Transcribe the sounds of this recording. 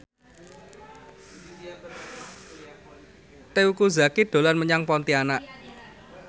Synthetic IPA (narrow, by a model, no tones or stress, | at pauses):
t̪eukuza̤kid̪̥o̤lanməɲaŋpɔnt̪ianaʔ